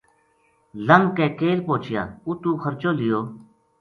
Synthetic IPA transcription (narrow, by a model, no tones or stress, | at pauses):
ləŋɡkɛ̃ːkeːlpõːt͡ʃɪja̰ːuːt̪ũːkʰəɾt͡ʃoːlɪjoː